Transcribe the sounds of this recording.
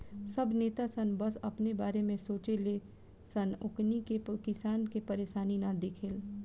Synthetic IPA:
sɐbneːt̪asənbɐsɐ̰pnebaːɾemẽsoːt͡ʃele | sɐnʊknikekɪsaːnkepɐɾeːʃaːninad̪eːkʰɪl

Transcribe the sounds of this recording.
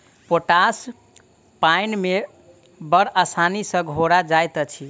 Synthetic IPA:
poʈas | pajnme | bəɾʔəsanisə̃ɡʱoɾad͡ʒajt̪ət͡ʃʰi

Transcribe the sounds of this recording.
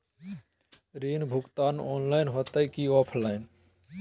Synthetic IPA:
ɾiːnbʱukt̪aːnɔːnlaɪnɦot̪əjkiɔpʰlaɪn

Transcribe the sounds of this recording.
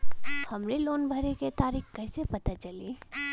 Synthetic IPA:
hɐmɾeloːnbʱəɾeket̪aːɾiːxkɛɦɪsepɐt̪at͡ʃɐliː

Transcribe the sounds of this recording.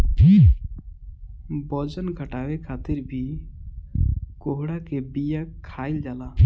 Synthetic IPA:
bɔd͡ʒənɡʱəʈaːwekʰaːt̪ɪɾbʱi | koɦɽakebijakʰːaːɪld͡ʒaːlaː

